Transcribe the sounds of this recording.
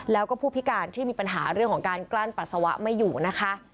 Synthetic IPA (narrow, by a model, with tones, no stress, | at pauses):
lɛː˦˥wkɔː˥˩pʰuː˥˩pʰi˦˥kaː˧nt̪ʰi˥˩miː˧˩pa˧nɦaː˩˦ɾɯ˥˩əŋkʰɔː˩˦ŋkaː˧nklaː˥˩npa˨t̪̚sa˧wa˦˥ʔma˥˩jːuː˨˩na˦˥kʰa˦˥ʔ